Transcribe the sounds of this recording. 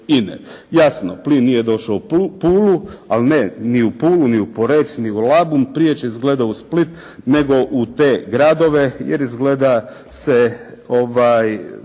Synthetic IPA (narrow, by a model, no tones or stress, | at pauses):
inḛjasnoplinːiːje̞d̪o̞ʃaupuːlualneniupuːluniupo̞ɾet͡ʃniulabumpɾijet͡ɕeizɡle̞d̪ausplit̪ | ne̞ɡo̞ʔut̪e̞ːɡɾad̪o̞ʋe̞jeɾizɡleːd̪a | seoʋaːj